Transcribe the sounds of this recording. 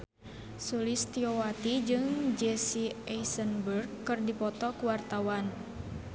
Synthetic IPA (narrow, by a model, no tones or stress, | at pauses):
sulist̪iowat̪id͡ʒɨŋd͡ʒɛsiɛjsənbərɡkːɨrdipɔt̪ɔkuwart̪awan